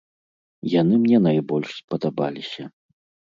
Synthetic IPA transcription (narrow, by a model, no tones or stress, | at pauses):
janɨmnʲɛnajbɔlʲʂspɐd̪aba̰lʲisʲɐ